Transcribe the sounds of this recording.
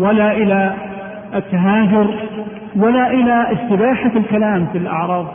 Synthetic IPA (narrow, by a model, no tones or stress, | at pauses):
wɪlaʔɪla | ʔɪt̪ːaɦaːd͡ʒʊɾ | wɪlaʔɪlaʔɪst̪ɪbaːħalkalaːmfilʔɑ̰ʕɾˤɑːðˤ